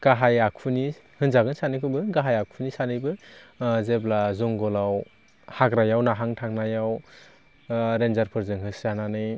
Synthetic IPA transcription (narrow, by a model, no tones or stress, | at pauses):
ɡ̥aɦajakʰuni | hɯnzaɡɯnsanɯjkʰɯbɯɡaɦajakʰunisanɯjbɯzeblazɔŋɡɔlaw | haɡɾajawnaɦaŋtʰaŋnajaw | ɾenzaɾpʰɯɾzɯŋɦɯsananɯj